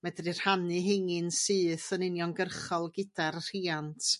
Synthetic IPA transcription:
mɛdrir̥hanɨɦɛŋɪnsɨːθənɪnjɔŋɡərχɔlˠɡɪdarr̥iːantʰ

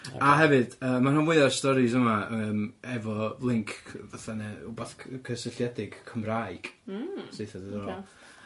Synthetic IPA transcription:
aɦɛvɨd̥əːmananmwɪɨarstɔɾɪzəmaəːmɛvɔlˠɪŋkʰvaθanɛʊbɔθʰkʰəsəɬjɛdɪɡ̥kʰəmraɨɡ̥sejθadədɔl

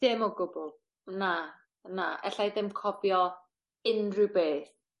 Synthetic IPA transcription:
d̥ɪmɔɡʊbʊlˠ | na | naʔɛ̰ɬajðɪmkʰɔbjɔ | ɪnrɨwbeːθ

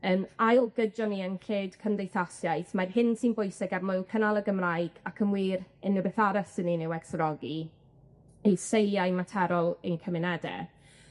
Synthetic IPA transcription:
əːmajɔlˠɡəd͡ʒɔniənɬʰeːd̥kʰəndejθasjajθmarhɪnsinbʊjsɪɡarmɔlˠkʰənalˠəɡəmraɨɡ̥akʰəmwiːɾənəbeθaɾəsəninɪwɛksrɔɡi | ejsejajmatʰɛɾɔlˠejnkʰəmɪnɛdɛ̰

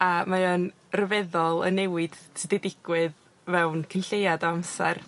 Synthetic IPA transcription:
amaən | rəvɛðɔlˠə̰nːɛwɪd̥tʰɪdɛdɪɡ̥wɪð | vɛwnkʰənɬejadɔamsɛ̰r

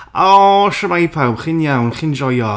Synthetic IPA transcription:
ɔʃəmajpʰawχɪnjawnχɪnd͡ʒɔjɔ

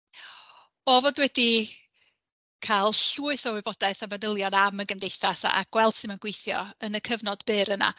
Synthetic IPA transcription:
ɔvɔdwɛdi | kʰalˠɬuːɨθɔwɪbɔdaθavadəlˠjɔnaməɡəmdejθasa̰a̰ɡ̥wɛlˠd̥sɪmaɡ̥wejθjɔ̰ənəkʰəvnɔdb̥ɨːɾəna̰

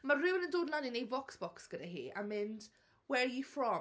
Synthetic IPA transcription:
marɪwnəndoːdlanɪnejvɔksb̥ɔksɡ̥ədaɦḭːʔa̰mɪnd | wɛɹjifrɔ

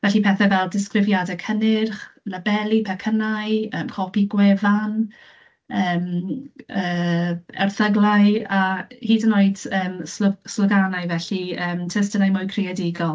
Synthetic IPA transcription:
vɛɬipʰɛθɛvɛlˠdɪskrɪvjadɛkʰənɪrχnəbɛlˠipʰɛkʰənajəːmkʰɔpiɡwɛvan | əːm | əːɛ̰rθəɡlˠajahiːdənoːɨd̥əːmslsləɡanaɨvɛɬiəːmtʰɛs̬tənajmʊjkʰrɪjadɪɡɔlˠ

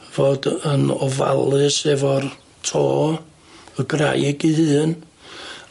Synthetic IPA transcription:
voːdənɔva̰lˠɨsɛvɔr | tʰoː | əɡra̰jɡihɨːn

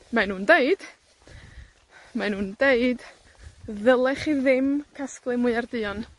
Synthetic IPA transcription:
manuːndeɨd̥ | manuːndeɨd | ðəlˠɛχiðɪmkʰasklˠɨmʊɨardɨːɔn

